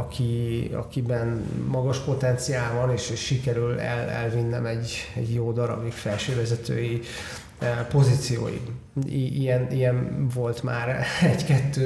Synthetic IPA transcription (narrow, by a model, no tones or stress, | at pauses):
ɒkʰiɒ̰kibɛnmɒɡɒʃpo̞t̪ɛnt̪sijaːlvɒneːʃeːʃːikɛɾylɛ̰lɛ̰lvinːɛmɛɟɛɟjoːd̪ɒɾɒ̰bikfɛlʃøːvɛzɛt̪ø̰ːji | po̞zit̪sijo̰ːjḭiijɛnijɛnvo̞lt̪ma̰ːɾɛɟkɛt̪ːøː